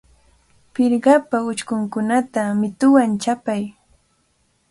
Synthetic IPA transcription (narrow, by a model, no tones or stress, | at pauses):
pɪɾɢɑpaʊt͡ʃkʊŋkʊnat̪amɪt̪ʊwant͡ʃapaj